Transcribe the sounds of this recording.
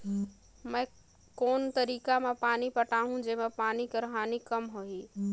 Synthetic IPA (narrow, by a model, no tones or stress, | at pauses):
mə̃j | koːnt̪əɾikamepanipəʈaɦũd͡ʒemepanikeɾəɦanikəmɦoɦi